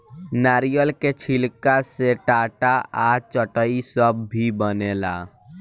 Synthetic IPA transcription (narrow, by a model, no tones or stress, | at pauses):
naːɾijəlket͡ʃʰɪlkaseʈaːʈaʔaːt͡ʃəʈəisəbːibənela̰ː